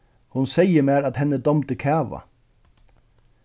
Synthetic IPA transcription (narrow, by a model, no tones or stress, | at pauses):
hʊnseɪəmeːɾɑt̪hɛnəd̪ɔmt̪əkʰæːʋɑ̰